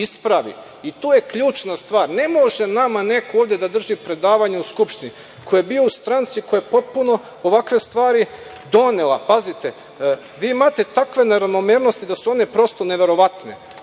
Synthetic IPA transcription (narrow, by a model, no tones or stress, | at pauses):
ispɾaʋḭ | it̪oːjekʎuːt͡ʃnast̪ʋaːɾne̞mo̞ʒenamane̞kooːʋd̪ʲjed̪ad̪r̩ʒipɾe̞d̪aːʋaɲeuskupʃt̪ini | kʰo̞jebio̞ust̪ɾant̪sikojepo̞t̪̚puno̞ | oʋakʋe̞st̪ʋaːɾi | d̪o̞nelapazit̪e | ʋiːimaːt̪e̞t̪akʋe̞neɾaʋno̞meːɾnost̪id̪asuo̞ne̞pɾo̞st̪o̞ne̞ʋe̞ɾo̞ʋat̪nḛ